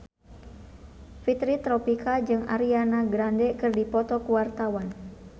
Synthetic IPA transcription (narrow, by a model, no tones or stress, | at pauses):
fit̪ɾit̪ɾɔpikʰad͡ʒɨŋa̰ɾianaɡɾandɛkɨrdipɔt̪ɔkuwart̪awan